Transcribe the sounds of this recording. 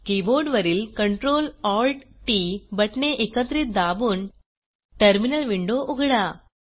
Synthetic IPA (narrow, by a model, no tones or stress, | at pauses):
kiboːɾɖʋɐɾilkɐɳʈɾoːlɔːlʈʈibɐʈneʔekːɐt̪ɾit̪̚d̪aːbun | ʈɐɾminɐlʋiɳɖoʔuɡɽa